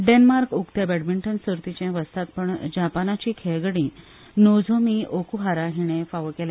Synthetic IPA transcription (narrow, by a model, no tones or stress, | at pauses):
ɖenmaɾkukt̪əbeɽmiɳʈənsuɾt̪it͡ɕãʋəst̪at̪̚pəɳd͡ʑapanat͡ɕiːkʰeɭɡɽĩː | nod͡zʱomiːʔokuɦaɾaɦiɽ̃efaʋəkela